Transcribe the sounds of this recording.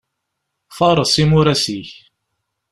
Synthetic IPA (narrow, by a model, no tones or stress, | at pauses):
fɑɾˤɑsˤimʊɾæsiç